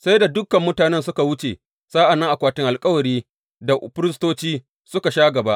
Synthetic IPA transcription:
sa˦jda˨dʊ˦kɐ˨mːʊ˦taː˨nɛ˦nsʊ˦ka˨wʊ˦t͡ʃe˨ | saː˦ʔa˨nːa˦ʔa˨kʷaː˨tɪ˦ŋʔa˨lkʼɐ˦wɐ˨ɾiː˦ | da˨ʔʊ˨ɸɪ˦ɾɪ˦stoː˦t͡ʃiː˦ | sʊ˦ka˨ʃaː˦ɡɐ˨ba˦ʔ

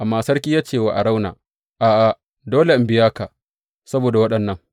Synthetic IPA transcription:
ʔa˨mːaː˨sɐ˦rkʲiː˦jaː˦t͡ʃeː˨wa̰ː˨ʔa˨ɽa˦wna̰ː˨ | ʔaː˨ʔa˨ | doː˦le˨ʔɪ˨mbɪ˦jaː˦ka˨ | sɐ˦boː˨da˨wɐ˦ɗɐ˨nːɐ˦ŋ

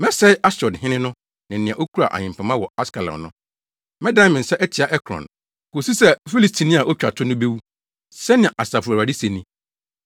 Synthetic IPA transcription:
mɛ˦sɛ˦ʔa˦sɔ˨dhɪ̃˦nɪ̃˦nʊ̃˦ | nɪ̃˨nɪ̃˨ã˨ʔo˦kʰu˦ɾa̰˨ʔa̰˨ɲɪ̃˨m˨pʰã˨mã˦wɔ˨a˦ska˨la̰˨nʊ̃˦ | mɛ̃˦dã˦mɪ̃˨n̩˨sɛ˦ʔɛ˦tʰi˨a˦ʔɛ˦kʰɾɔ̰̃˨n | ko˨si˦sɛ˦fi˦li˨stʰi˨nĩ˦a˨ʔo˦t͡ɕᶣa˨tʰʊ˦nʊ̃˦be˦wu˦ | sɛ˦nɪ̃˨ʔa˨sa˨fa˨a˨di˦se˨nĩ˦

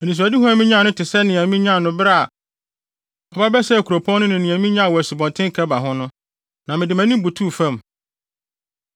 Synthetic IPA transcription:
ɛ˨nĩ˨s̬u˨a˨di˦ɦɔ̃˦æ˨mĩ˦ɲã˦˨nʊ̃˦tʰɪ˨sɛ˦nɪ̃˨æ˨mĩ˦ɲã˦˨nʊ̃˦bɪ˦ɾa˦˨a˨ | ɔ˨ba˦bɛ˦sɛ˦˨kʰu˨ɾo˨pʰɔ̃˦nʊ̃˦nʊ̃˨nĩ˨æ̃˨mĩ˦ɲã˦a˨wɔ˨æ˨si˨bɔ̃˨ntʰɪ̃˦ŋ˦kʰɛ˦ba˨ɦʊ̃˦nʊ̃˦ | nã˨mɪ̃˨dɪ˨mæ̃˨nĩ˦bu˨tʰu˦˨fã˦˨m

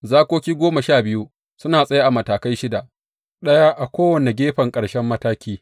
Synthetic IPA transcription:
zaː˦kʷoː˦kʲiː˦ɡʷoː˦ma˨ʃaː˦˨bɪ˦ju˦ | sʊ˦naː˨sʼɐ˦ja˦ʔa˨mɐ˨taː˨ka˦jʃɪ˦da˨ʔ | ɗɐ˦jaː˦ʔa˨kʷoː˦wɐ˨ne˨ɡʲeː˦ɸɐ˨ŋkʼɐ˨ɽʃɛ˦mːɐ˦taː˦kʲiː˦

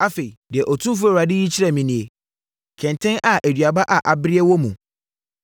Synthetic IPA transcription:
a˦fe˨i˨dɪ˨ɛ˨ʔɔ˨tʰũ˦f̬u˦ɛ˨a˨dɪ˦ji˦t͡ɕʰi˦ɾɛ˨mĩ˨nĩ˨e˨ | kʰɛ̃˨ntʰɪ̃˦nʔa˨ʔæ˨dɥa˨ba˦ʔa˨ʔa˨bɪ˦ɾɪ˦ɛ˦wɔ˦mũ˨

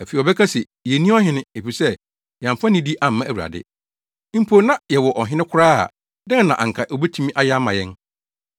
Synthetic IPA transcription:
æ˨fe˨ɔ˨bɛ˦kʰa˦si˨ | jɛ˨nĩ˦ɔ˦ɦɪ̃˦nɪ̃˦e˨fi˨sɛ˦ | jã˨m˨fã˦nĩ˦di˦ʔa˨m̩˦mã˦ʔæ˨wu˨a̰˨dɪ̰˦ | m̩˦pʰo˨˦nã˦jɛ˨wɔ˨ʔɔ˨ɦɪ̃˦nɪ̃˦kʷʰʊ˦ɾaː˦a̰˨ | dɛ̃˦˨nã˨ʔa̰˨ŋ̩˨kʰa˨ʔo˨be˦tʰu˦mĩ˦ʔa˦ja˦mã̰˨jɛ̃˦n

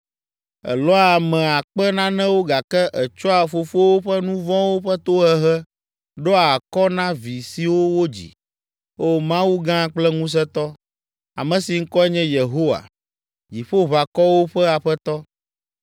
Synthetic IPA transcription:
ɛ̰˨lɔ˦a˨mɛ̃˨a˨k͡pɛ˦nã˦nɛ̃˦wo˦ɡa˨kɛ˦ʔɛ˨t͡ʃɔ˦a˨fo˨fo˦wo˦ɸɛ˦nũ˦vɔ̃˦wo˦ɸɛ˦t̪o˦ɦɛ˦ɦɛ˦ | ɖɔ˦a˨kɔ˦nã˦vi˨si˨wo˦wo˦d͡ʑḭ˨ | o˦mã˦wu˦ɡã˦k͡plɛ˦ŋũ˦s̬ɛ˦t̪ɔ˦ | a̰˨mɛ̃˨si˨ŋ̩˦kɔ˦ɛ˦ɲɛ̃˦je˨ɦo˦wa̰˨ | d͡ʑi˨ɸo˦βa˨kɔ˦wo˦ɸɛ˦a˨ɸɛ˦t̪ɔ˦

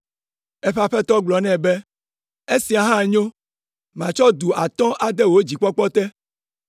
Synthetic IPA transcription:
ɛ˦ɸa˨ɸɛ˦t̪ɔ˦ɡ͡blɔ˨nɛ̃˦˨bɛ˦ | e˦si˨a˨ɦã˦˨ɲõ˦ | mã˨t͡ʃɔ˦d̪u˨a˨t̪ɔ̃˦ʔa˨d̪ɛ˦wo˦d͡ʑi˨k͡pɔ˦k͡pɔ˦t̪ɛ˦

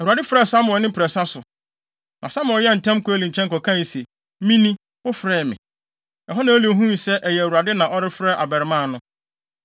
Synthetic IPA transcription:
æ˨u˨a˨dɪ˦fɾɛ˦˨sa˦mʊ̃˨ɛ˨nɪ̃˦m˦pʰɾɛ˨sa˦sʊ˨ | nʔã˨sã˦m̃˨˦jɛ˦˨n̩˨tʰɛ̃˦mkʊ˦æ˦lĩ˨ɲ˨t͡ɕʰɛ̃˦ŋ̩kɔ˨kʰã˦˨ji˨se˨ | mĩ˦nĩ˦ | wʊ˦fɾɛː˦˨mɪ̰̃˨ | ɛ˨ɦɔ˦nã˨˦li˨o˨˦ɦũ˦mi˨sɛ˦ʔɛ˨jɛ˨æ˨wu˨ɾa˨dɪ˦nã˨ʔɔ˦ɾɪ˦fɾɛ˦ʔa˨bɛ˨ɾɪ˨mã˦˨nʊ̃˦

